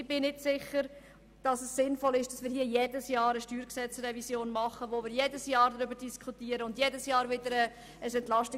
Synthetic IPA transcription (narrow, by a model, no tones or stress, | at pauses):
b̥ɪnɪtsɪχəɾ | d̥ɑsɛssɪnfɔlɪʃd̥ɑsmiːɾhiːəjedəsjɑːɾəʃtyːɾksɛt͡srɛvisjoːnmɑχəʋomɪːɾjedəsjɑːɾdɾʏbəɾd̥iskχutiːəɾəʊndjedəsjɑːɾvɪdəɾə | əsɛntlɑʃti